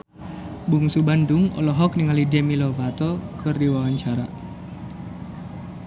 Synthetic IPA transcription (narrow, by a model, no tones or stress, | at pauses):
buŋsubandʊŋɔ̰lɔɦɔk̚niŋalidɛmilɔvat̪ɔkʰɨrdiwawaɲt͡ʃaɾa̰